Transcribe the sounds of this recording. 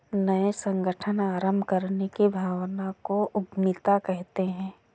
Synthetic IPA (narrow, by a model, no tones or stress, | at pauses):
nɐesə̃ŋɡəʈʰənaːɾəmbʱkəɾnekibʱaːwnakoʔʊɡmɪt̪akɛɦt̪eɦɛ̃ː